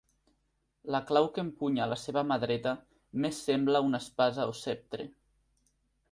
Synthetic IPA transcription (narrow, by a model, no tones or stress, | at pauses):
laklawkempuɲalaseβamaðɾet̪a | mesːemblaunaspazaosep̚t̪ɾe